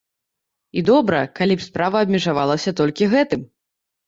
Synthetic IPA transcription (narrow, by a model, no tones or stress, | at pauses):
id̪ɔbɾɐkalʲipspɾavɐːbʲmʲɛʐavalˠɐsʲɐt̪ɔlʲkʲiɣɛt̪ɨm